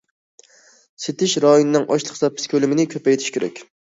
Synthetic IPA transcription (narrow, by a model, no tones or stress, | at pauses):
set̪ʰɪʃɾɑjonɨnɪŋʔɑ̰ʃlˠəχsɑpʰːɪ̥skʲʰølɪmɪnɪkʲʰøpɛjt̪ʰɪ̥ʃkʲʰeɾɛ̰kʲ